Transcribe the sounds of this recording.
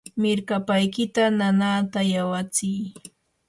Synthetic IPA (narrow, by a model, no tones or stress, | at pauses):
mɪɾkapajkɪt̪ananaːt̪ajawat͡sɪj